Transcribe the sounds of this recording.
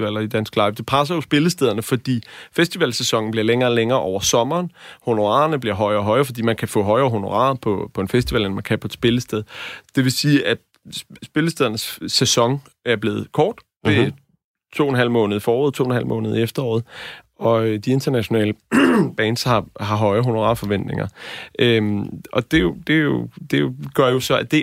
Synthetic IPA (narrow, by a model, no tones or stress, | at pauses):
ʋɛl̰ɐid̥æn̰sɡ̥lɑ̈ɪfd̥e̝pʰas̬ɐjo̝sb̥e̝ləsd̥eð̞ˠɐnəfɒ̽d̥ḭːfesd̥iʋɛlsesɒ̽ŋn̩b̥liɐleŋɐːleŋɐːʔɒʊɐsɒ̽mɐːnho̝no̝ʁɑ̰̈ːɐnəb̥liɐɦɒ̽ɪɐːɦɒ̽ɪɐːfɒ̽dḭːmænkʰæfɔ̰ɦɒ̽ɪɐːɦo̝no̝ʁɑ̰̈ːpʰɒ̽pʰɒ̽e̝nfesd̥iʋɛ̰lenmænkʰæpʰɒ̽d̥sb̥e̝ləsd̥eð̞ˠd̥e̝ʋe̝siːʔæd̥ | sb̥e̝ləsd̥eðˠɐnəsːesɒ̽ŋ | æɐb̥le̝ːð̞̩ˠkʰɒːd̥e | t͡sʰo̝̰ːen̩ɦæl̰mɔ̽ːnəð̞̩ˠifɒːoð̩ˠt͡sʰo̝̰ːenhæl̰mɔ̰̽ːnð̞̩ˠiefd̥ɐɒ̰ːð̞̩ˠ | ɒ̽ød̥ie̝nd̥ʰɐnæɕo̝nɛ̰ːləb̥ɛːn̥shɑ̈ɦɑ̈ɦɒ̽ɪɐɦo̝no̝ʁɑ̰̈fɒ̽ʋend̥ne̝ŋʔɐʔøɒ̽d̥e̝jod̥e̝jo̝d̥e̝ɡ̥ɶɐjo̝sɒ̽æd̥e̝